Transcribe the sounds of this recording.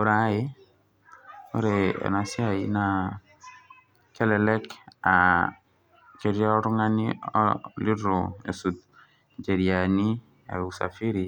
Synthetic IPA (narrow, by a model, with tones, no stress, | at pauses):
o˦ɾa˨˦ɪ˦ | o˦ɾeɛ̰˨nɔ˨sɪ˦a˨i˦na˦ | kɛ˦lɛ˨lɛ˦ka˨ | ke˨ɾi˦a˦ɔ˦ɾʊ˦ŋa˦nɪɔ̰li˦ɾɔ˨e˨su˨t̪̚ | d͡ʒe˨ɾi˨a˨ni˦ | a̰˨u˨sa̰˨fi˦ɾi˨